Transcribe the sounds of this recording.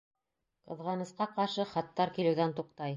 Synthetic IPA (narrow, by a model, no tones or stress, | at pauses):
qɤ̆ðʁɑnɤ̆sqɑqɑɾʃɤχɑt̪ːɑɾkilɘ̆wðænt̪uq̚t̪ɑj